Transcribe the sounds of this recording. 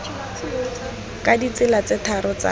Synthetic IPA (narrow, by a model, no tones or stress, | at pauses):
kadit͡sɪlat͡sɪtʰaɾɔt͡sa̰